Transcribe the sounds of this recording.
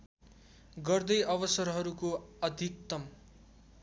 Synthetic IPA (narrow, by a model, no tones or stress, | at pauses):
ɡʌrd̪ʌjʔʌβʌsʌrɦʌɾukoʌd̪ʱik̚t̪ʌm